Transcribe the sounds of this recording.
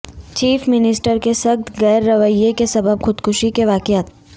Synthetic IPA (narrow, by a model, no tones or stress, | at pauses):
t͡ʃiːfmɪnɪsʈəɾkesɐɡt̪ʰɣɛːɾːɐʋəjːekesɐbəbxʊd̪kʊʃikeʋaːkjaːt̪